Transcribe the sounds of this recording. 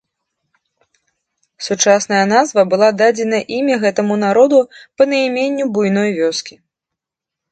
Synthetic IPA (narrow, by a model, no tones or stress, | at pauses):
sut͡ʂasnɐjɐnazvɐbɨlˠad̪ad͡zʲɛnɐʔimʲɐɣɛt̪ɐmun̪aɾɔd̪upɐnɐjmʲenʲːubujnɔjvʲɔskʲi